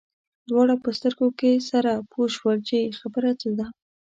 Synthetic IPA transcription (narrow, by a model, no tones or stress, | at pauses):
d̪wɑɽapəst̪əɾɡokesaɾapʰoʃwəlt͡ʃexabəɾat͡səd̪a